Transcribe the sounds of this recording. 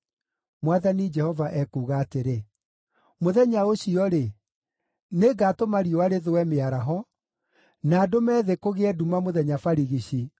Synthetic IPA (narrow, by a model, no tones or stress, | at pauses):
mwaðanid͡ʒɛhɔvaʔɛkuːɣaːteɾe | moðɛɲaoɕiɔɾe | neɡaːtomaɾiɔaɾeðowɛmeaɾaɦɔ | naːdomɛːðekoɣeɛdumamoðɛɲafaɾiɣiɕi